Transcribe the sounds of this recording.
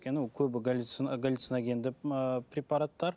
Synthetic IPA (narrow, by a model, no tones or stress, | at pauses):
kʲenɪwkʲʰɵbɪɡalʲit̪snɡalʲit̪sinɑɡʲʰend̪ɪpʰɾʲepɑɾat̪ːɑɾ